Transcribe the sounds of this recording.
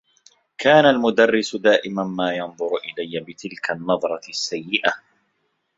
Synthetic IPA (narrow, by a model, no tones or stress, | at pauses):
kaːnalmʊd̪arːɪsʊd̪aːʔɪmanmaːjɑnðˤʊɾʔɪlajːabɪt̪ɪlkʰanːɑðˤɾˤɑsːajːɪʔa